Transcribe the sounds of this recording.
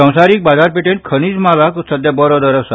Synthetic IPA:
ə̃w̃saɾik̚bazaɾpeʈeɳʈ̚kʰəñid͡ʒmalaksəd̪abɔɾɔd̪əɾəsa

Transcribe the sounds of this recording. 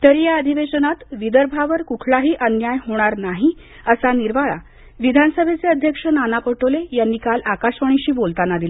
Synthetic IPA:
t̪əɾjaəd̪ʱiʋeɕənat̪ʋid̪əɾbʱaʋəɾkukʰɭaɦiːʔənjajɦoɽ̃aɾnaɦi | əsaniɾʋaɭa̰ | ʋid̪ʱanəsəbʱet͡seəd̪ʱjəkʂənanapəʈolejanːiːkalakaɕʋəɽ̃iɕiːbolt̪anːad̪ila

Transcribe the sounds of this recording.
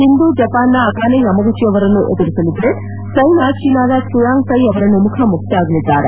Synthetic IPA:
ɦind̪uːd͡ʒɐpaːnːɐːkaːnenɐmɐɡut͡ʃːijɐʋɐɾɐnuʔed̪iɾiselib̪ɾeʈ | sɐjnaːʃinaːd̪ɐsuɾaːŋsɐjɐʋɐɾɐnumukʰɐmuk̚t̪iaːɡɐlid̪ːaːɾɐ

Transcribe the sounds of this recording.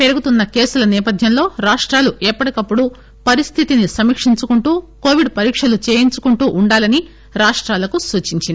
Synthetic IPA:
pe̞ɾuɡut̪unːɐke̞ːsulɐnɛːpɐd̪ʱjɐmlo̞ːɾaːʂʈɾaːluʔɛpːɐɽikɐpːuɽu | pɐɾist̪ʰit̪inisɐmikʂiɲt͡ʃukuɳʈuːko̞ːʋiɖpɐɾiːkʂɐlut͡ʃe̞ːjiɲt͡ʃukuɳʈuːʔuɳɖaːlɐni | ɾaːʂʈɾaːlɐkusuːt͡ʃiɲt͡ʃind̪i

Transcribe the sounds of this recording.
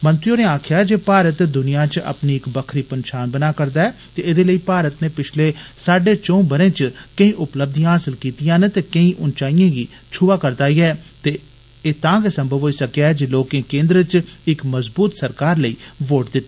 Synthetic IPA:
mə̃nt̪ɾioːneːaːkʰɪjaːɛd͡ʒeːpaːɾət̪d̪ʊnɪjãːt͡ʃə̰pniːɪkbəkʰɾiːpənʃaːnbənaːkəɾd̪aːɛːt̪eːɪd̪eːləiːpaːɾət̪neːpɪt͡ʃʰleːsaːɖeːt͡ʃõːbəɾẽːt͡ʃkəĩːʔʊpləb̚d̪ijãɦaːsɪlkiːt̪ijãːnt̪eːkəĩːʔʊnt͡ʃaːijãːɡiː | t͡ʃʰʊʋaːkəɾd̪aːiːɛːt̪eː | eːt̪ãːɡeːsəmbʱəʋɦoːiːsəkjaːɦɛːd͡ʒeːloːkẽːkẽːnd̪ɾət͡ʃɪkməzbuːt̪səɾkaːɾləiːʋoːʈd̪ɪt̪ːa

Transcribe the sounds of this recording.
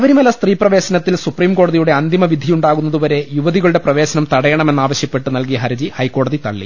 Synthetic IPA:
ɐʋɐɾumɐlːɐst̪riːprɐʋe̞ːɕɐnɐt̪ːilsupriːmko̞ːɽɐðijuɽe̞ɐnd̪imɐʋid̪ʱːijuɳɖaːɣunːɐðuʋɐɾe̞juʋɐðiɣɐɭuɽe̞prɐʋe̞ːɕɐnɐmt̪ɐɽɐjɐɳɐme̞nːaːʋɐɕjɐpːe̞ʈːɨnɐlkijɐɦɐɾɐd͡ʑihɐjkːo̞ːɽɐðit̪ɐɭːḭ

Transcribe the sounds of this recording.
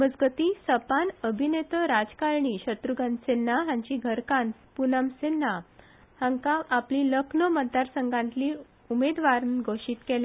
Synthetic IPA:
əd͡zɡət̪isəpanəbʱinet̪əɾad͡zkaɾɳiːɕət̪ɾuɡə̃nsenːaɦãɲt͡ɕiɡʱəɾkãnpunamsenːa | hãŋkaʔapliləkʰnəmət̪̚d̪aɾsəŋɡãnt̪liː | umed̪ʋaɾnɡʱoʂiːt̪kelja

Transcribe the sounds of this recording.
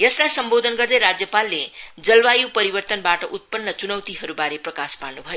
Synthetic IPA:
jʌslajsʌmbod̪ʱʌnɡʌɾd̪ʌjɾad͡zjʌpalːed͡zʌlbajupʌɾibʌrt̪ənbaʈʌʔut̪̚pʌnːʌt͡sunʌwt̪iɦʌɾubaɾeprʌkaspaɭnubʱʌjo

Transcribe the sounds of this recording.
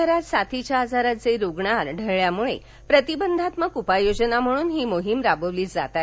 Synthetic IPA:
əɾat̪sat̪ʰit͡ɕaːd͡zʱaɾat͡seɾuɡɳaɾɖʱəɾɭjamuɭḛ | pɾət̪ibənd̪ʱat̪məkupajod͡ʑənam̤əɽ̃uːnɦiːmoɦimɾabəʋliːt͡sd͡zat̪a

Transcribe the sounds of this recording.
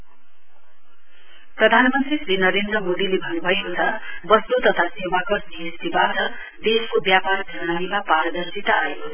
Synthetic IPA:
prʌd̪ʱanmʌnt̪risrinʌɾend̪rʌmod̪ilebʱʌnbʱʌjekot͡sʰʌbʌst̪ut̪ʌt̪ʰasewakʌrnist̪ibatʌ | d̪eskobjaparɡʱʌnanimapaɾʌd̪ʌrsit̪ʌajo

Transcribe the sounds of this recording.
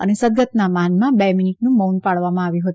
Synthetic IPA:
ə̰nesəd̪ɡət̪namanmãbɛminiʈnũmonpaɭʋamãaʋjũɦət̪

